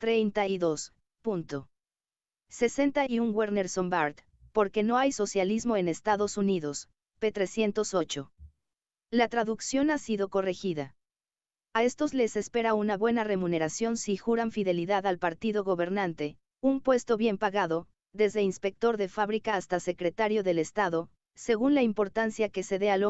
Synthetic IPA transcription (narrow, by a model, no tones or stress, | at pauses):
t̪ɾejnt̪aiðo̞s | punt̪o | se̞se̞nt̪aiuŋɡweɾne̞ɾso̞mbaɾt̪ | po̞ɾke̞no̞ajso̞sjalizmo̞e̞ne̞st̪aðo̞suniðo̞s | pe̞t̪ɾe̞sje̞nt̪o̞so̞t͡ʃo | lat̪ɾaðuksjo̞nasiðo̞ko̞re̞xiða | ae̞st̪o̞zle̞se̞spe̞ɾaunaβwe̞nare̞mũne̞ɾasjo̞nsixuɾaɱfiðe̞liðaðalpaɾt̪iðo̞ɣo̞βe̞ɾnant̪e̞ | umpwe̞st̪o̞βje̞mpaɣaðo̞ | ðe̞zðe̞inspe̞k̚t̪o̞ɾðe̞faβɾikaːst̪ase̞kɾet̪aɾjo̞ðe̞le̞st̪aðo̞ | se̞ɣunlaimpo̞ɾt̪ansjake̞se̞ðe̞alo